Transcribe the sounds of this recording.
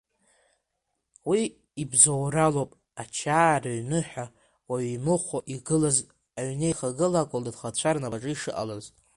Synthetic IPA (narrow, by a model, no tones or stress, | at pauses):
wi | ibzowralopʼ | at͡ʃʰaːraɥnɨħʷᶣa | waɥmɨχʷaʔiɡɨlaz | aɥnejχaɡɨlakʷʼʊldadχat͡ɕʷʰarnabaʈ͡ʂʼɨiʂɨʔa̰laz